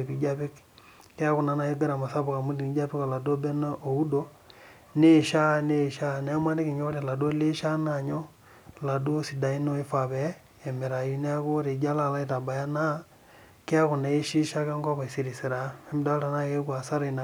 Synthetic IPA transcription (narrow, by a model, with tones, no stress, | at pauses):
e˨ki˨d͡ʒa˦pi˦k | ke˦a˦ku˨na˦na˨je˦ɡa˦ɾa˨ma˨sa˦bu˨ka˨mu˦di˨ni˨˦d͡ʒa˦pi˦kɔ˨la˨do˦bɛ˦na˦ʔo˨u˦do˦ | ne˦˨ʃa˦ne˦˨ʃa˦na˨a˦ma˦ni˦ki˨ɲo˦ɾe˨la˨do˦le˦ʃa˦na˦˨ɲɔ˦ | la˨do˦si˨da˨i˦no˦i˦fa˨βɛː˨˦˨ | mɛ˨ɾa˨ji˦ne˦a˦ko˦ɾe˨d͡ʒa˦la˨la˦i˦˨ta˨ba˨ja˦na˦ | ke˦a˦ku˨na˨i˦ʃi˦ʃa˦ka˦ŋɡɔ˦βa˨i˨si˦ɾi˨si˨ɾa˨˦i˦m˦da˦ta˨na˦ke˦kwa˨sa˦ɾa˨na˨